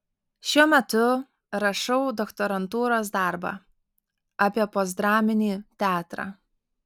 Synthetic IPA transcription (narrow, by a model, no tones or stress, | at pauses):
ʃʲuɔmʲɛt̪ʊ | ɾɐʃɐʊd̪ɔkt̪ɔɾɐnt̪uːɾoːsd̪ɑˑɾbɑ̰ː | ɑpʲiɛpoːzd̪ɾɑːmʲɪnʲiːt̪ʲæːt̪ɾɑ̰ː